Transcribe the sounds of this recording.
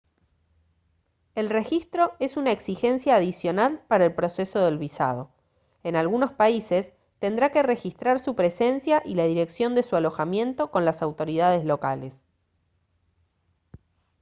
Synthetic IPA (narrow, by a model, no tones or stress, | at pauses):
e̞lre̞xist̪ɾo̞e̞sunaeksixe̞nsjaːð̞isjo̞nalpaɾaelpɾo̞seso̞ðe̞lβisa̰ð̞o̞ | enalɣuno̞spaise̞s | t̪e̞nd̪ɾake̞re̞xist̪ɾaɾsupɾe̞se̞nsjaʔilaðiɾe̞ksjo̞nd̪e̞sualo̞xamje̞nt̪o̞ko̞nlasawt̪o̞ɾiðað̞ezlo̞kales